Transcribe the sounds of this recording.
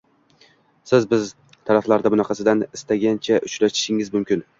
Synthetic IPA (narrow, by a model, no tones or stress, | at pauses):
sɪzbɪz | t̪ʰaɾaflaɾd̪abʊnɑqʰɑsɪd̪anɪst̪ʰaɡʲant͡ʃʰaʔʊt͡ʃɾaʃɪ̥ʃɪŋɪzmʊmkʲʰɪn